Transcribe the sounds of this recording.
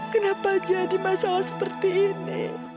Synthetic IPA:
kənapad͡ʒadimasalasə̥pərt̪iːnḭ

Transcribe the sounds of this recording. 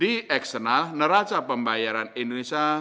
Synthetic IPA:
diɛksənalnəɾat͡ʃapəmbajaɾanindonesia

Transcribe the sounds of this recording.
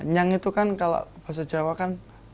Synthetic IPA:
ɲaŋit̪ukankalo̰ʔb̥a̤s̬ad͡ʒawakan

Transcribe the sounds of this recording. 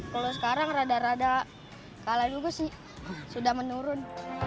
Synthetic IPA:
kalos̬ə̥kaɾaŋɾadaɾada | kaladuɡasɪh | sudahmənuɾʊn

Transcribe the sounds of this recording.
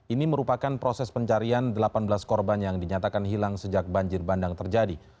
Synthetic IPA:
iniməɾupakanpɾosɛspəɲt͡ʃaɾiandəlapanbəlaskɔrbanjaŋdiɲat̪akanɦilaŋsəd͡ʒak̚baɲd͡ʒɪrbandaŋt̪ərd͡ʒadi

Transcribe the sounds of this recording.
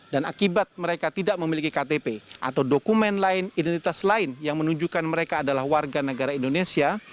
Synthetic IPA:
danakibat̪̚məɾekat̪idaʔməmilikikat̪epeʔa̰t̪awdokumɛnlaɪnidɛnt̪it̪aslaɪnjaŋmənuɲd͡ʒukanməɾekaːdalahwarɡanəɡaɾaindonesia

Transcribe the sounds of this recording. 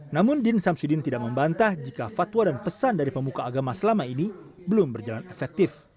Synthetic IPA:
namʊndɪnsamsudɪnt̪idaʔ̚məmbant̪ahd͡ʒikafat̪wadanpəsandaɾipəmukaːɡamasəlamaini | bəlʊmbərd͡ʒalanɛfɛk̚t̪ɪf

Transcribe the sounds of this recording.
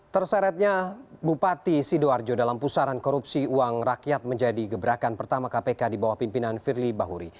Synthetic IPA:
t̪ərsaɾat̪̚ɲabupat̪isidoard͡ʒodalampusaɾankɔɾupsiuaŋrakijat̪̚məɲd͡ʒadiɡəbəɾakanpərt̪amakapekadibawahpimpinanfirlibaɦuɾḭ

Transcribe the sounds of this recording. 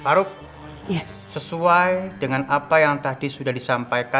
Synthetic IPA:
paɾʊk̚ | səsuajdəŋanapajaŋt̪adisudahdisampajka

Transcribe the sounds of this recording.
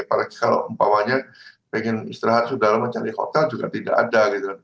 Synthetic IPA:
palaki̥kalo̰əmpawaɲapɛŋɪnist̪ɾaɦat̪̚sudaɦlaməɲt͡ʃaɾiko̰t̪ald͡ʒuɡa̰t̪ida̰ʔa̰daɡit̪a

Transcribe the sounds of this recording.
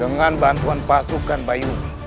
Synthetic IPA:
əŋanbant̪uanpasukanbaju

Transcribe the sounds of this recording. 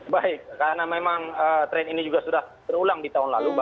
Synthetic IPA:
baɪk̚ːaɾnamemaŋəːt̪ɾɛninid͡ʒuɡasudaht̪ərulaŋdit̪aɦʊnlaluba

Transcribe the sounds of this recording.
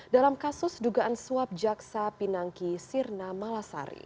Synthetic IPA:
dalamkasʊsduɡaʔansuap̚d͡ʒaksapinaŋkisirnamalasa̰ɾḭ

